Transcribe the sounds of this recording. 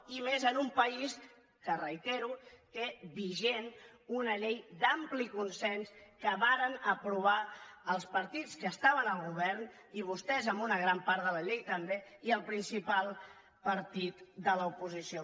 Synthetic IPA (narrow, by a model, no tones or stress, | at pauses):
imezənumpəis | kərəit̪eɾut̪eβiʒenunəʎejd̪amplikunsɛnskəβaɾənəpɾuβ̞aəlˠspəɾt̪it͡skəːst̪aβənəlˠɣ̞uβɛɾn | iβ̞ust̪ɛzəmbunəɣ̞ɾampaɾðələʎejt̪əmbeiəlˠpɾinsipalˠ | pəɾt̪it̪d̪ələupuzisio